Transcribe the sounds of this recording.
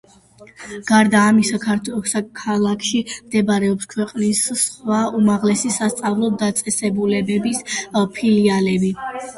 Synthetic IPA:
ɡ̥aɾd̪aːmisakʰaɾt̪ʰwɛɔsakʰalˠakʰʃimd̪ɛbaɾɛɔpskʰwɛqʼnisːχwaumaʁlɛsisast̪sʼavlˠɔd̪at̪sʼɛsɛbulɛbɛbispʰilialɛbi

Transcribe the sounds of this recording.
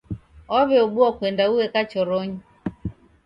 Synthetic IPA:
ɔβɛɔɓuɔkwɛndauwɛkat͡ʃɔɾɔɲi

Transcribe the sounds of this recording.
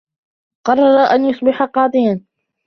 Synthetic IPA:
qɑrˤːɑɾˤɑʔanjʊsˤbɪħaqɑːd̪ˤɨjan

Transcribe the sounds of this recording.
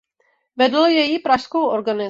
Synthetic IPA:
vɛdlojɛjipɾaʃskowʔoɾɡanɪ

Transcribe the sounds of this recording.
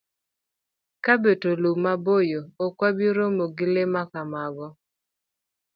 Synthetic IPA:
kabetolumabojoːkwabiɾomoɡɪlemakamaɡɔ

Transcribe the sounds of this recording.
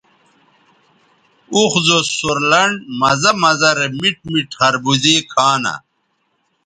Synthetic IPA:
uxzosuɾlɐɳɖmɐzɐmɐzɐɾemiʈ̚miʈχɐɾbuzẽːkʰaːnɐ̰

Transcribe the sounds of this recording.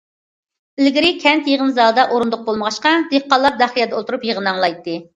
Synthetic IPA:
ɪlɡʲiɾɪkʲʰɛnt̪jeʁənzɑːd̪ɑʔoɾund̪ʊq̚bolˠməʁɑʃqɑd̪eqːɑlˠːɑɾd̪ɑχijɛd̪ɛolˠt̪ʰuɾupjeʁənɑŋlˠɑjt̪ʰːɨ

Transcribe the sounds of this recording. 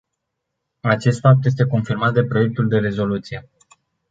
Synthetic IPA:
at͡ʃe̞st̪fap̚t̪je̞s̬t̪e̞ko̞nfirmat̪̚d̪e̞pɾo̞je̞k̚t̪uld̪e̞ɾe̞zo̞lut̪sije̞

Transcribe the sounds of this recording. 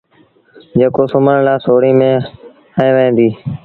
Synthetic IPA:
d͡ʒeːkoːsʊməɳlaːsoːɽiːmẽː | əẽːʋẽːnd̪iː

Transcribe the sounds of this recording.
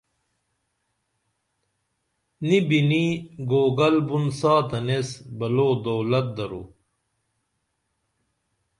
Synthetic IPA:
nibiniɡoːɡɐlbunsaːt̪ɐnesbɐloːd̪owlɐt̪̚d̪ɐɾṵ

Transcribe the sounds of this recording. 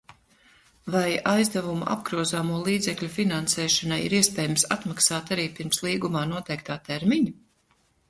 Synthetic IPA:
vajajzd̪avumṵʔa̰b̚ɡɾuɔzaːmuɔlˠiːd̪zɛklʲufinansɛːʃanajḭɾiɛspʲɛːjamsa̰t̪maksaːt̪aɾiːpiɾmslˠiːɡumaːnuɔt̪ɛjk̚t̪aːt̪ɛɾmiɲu

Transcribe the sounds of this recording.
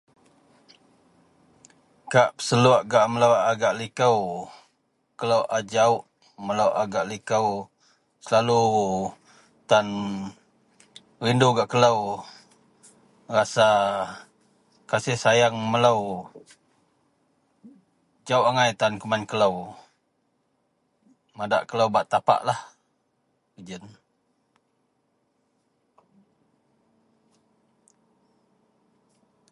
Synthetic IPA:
kaʔpə̥səluəʔɡaʔmələwaɡaʔlikəw | kələwʔad͡ʒaʊʔ | mələwʔaɡaʔlikəw | səlalu | t̪an | rinduɡaʔkələw | rasa | kasɪhsajaŋmələw | d͡ʒawaŋajt̪ankumankələw | mada̰ʔkələwbaʔt̪apa̰ʔlah | əd͡ʒən

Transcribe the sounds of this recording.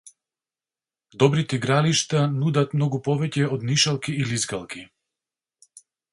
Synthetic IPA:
d̪ɔbɾit̪ɛiɡɾaliʃt̪anud̪at̪mnɔɡupɔvɛcɛɔd̪niʃalˠkiːlizɡalˠki

